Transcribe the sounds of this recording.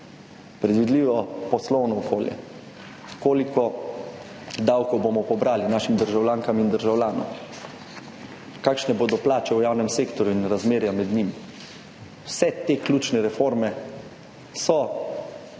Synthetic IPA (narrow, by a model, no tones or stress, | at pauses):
pɾɛd̪ʋid̪liːʋɔpɔslɔwnɔːkoːljɛ̰ | koːlikɔ | d̪awkɔwbomɔpɔbɾaːlinaːʃimd̪əɾʒawlʲjaːŋkamind̪əɾʒawlʲaːnɔ̰m | kaːkʃnɛboːd̪ɔplaːt͡ʃɛujaːwnɛmseːkt̪ɔɾjuinɾazmeːɾjamɛd̪nim | wsɛt̪eklʲuːt͡ʃnɛɾɛfoːɾmɛ | sɔ